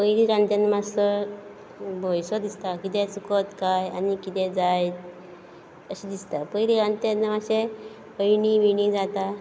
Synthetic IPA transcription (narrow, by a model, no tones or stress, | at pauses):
pəjɾiɾãnt̪janəmaɔ | bʱojsɔd̪ist̪akit̪ɛ̃t͡sukət̪kaja̰nikit̪ɛ̃d͡zajt̪ | əɕid̪ist̪apəjɾiɾant̪janːəmaɕe | əjɳiʋiɽid͡zat̪a